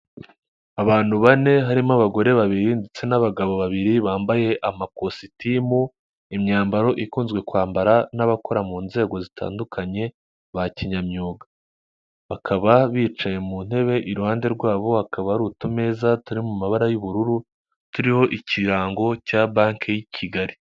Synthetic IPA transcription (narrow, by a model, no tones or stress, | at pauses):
aβaːn̥huβane̞ɦaɾimaβaɡo̞ɾe̞βaβiɾindet͡se̞naβaɡaβo̞βaβiɾiβaːmbaje̞ʔamakositimu | imɲaːmbaɾo̞ʔikuːnzɡwe̞kwaːmbaɾanaβako̞ɾamuːnze̞ːɡo̞zitʰa̰ːndukʰaɲe̞ | βaciɲamɲuːɡa | βakʰaβaβiːt͡ʃaje̞mun̥he̞βe̞ʔiɾuhaːnde̞ɾɡwaːβo̞hakaβaɾutume̞ːzatuɾimumaβaɾajuβuɾuɾu | tuɾiho̞ʔiciɾaːŋɡo̞caːbaːŋkʰejicʰiɡaɾi